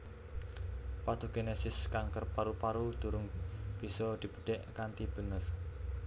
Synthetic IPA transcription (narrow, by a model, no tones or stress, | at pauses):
pad̪̥o̤ɡ̥enesɪskaŋkərpaɾupaɾud̪̥ṳɾʊŋb̥i̤sɔd̪̥i̤b̥ə̥ɖ̥ɛʔkant̪ib̥ə̤nər